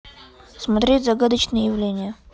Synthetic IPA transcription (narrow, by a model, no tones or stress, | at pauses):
smɐt̪ɾʲetʲzɐɡad̪ət͡ɕnɨjəjɪvlʲenʲɪjə